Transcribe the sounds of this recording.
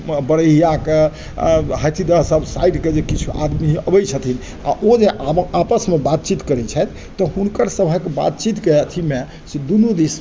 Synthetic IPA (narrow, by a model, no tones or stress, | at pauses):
bəɽəɦijake | ɦət̪ʰid̪əɦsəbʱsaiʈked͡ʒekit͡ʃʰuʔa̰d̪miɦəbəjt͡ʃʰət̪ʰin | a̰ʔod͡ʒeʔapəsmebat̪̚t͡ʃit̪kəɾɛt͡ʃʰɛt̪ʰ | t̪ːɔɦunkəɾsəbʱəkeba̰t̪t͡ʃit̪kəət̪ʰime | sed̪unud̪is